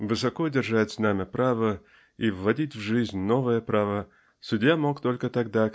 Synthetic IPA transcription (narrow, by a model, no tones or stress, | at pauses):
vɨsɐko̞dʲɪrʐatʲsnamʲɪpɾʔavə | ivːɐdʲitʲvʐɨzʲnʲno̞vəjəpɾavə | sʊdʲjamo̞kt̪o̞lʲkət̪ɐɡd̪a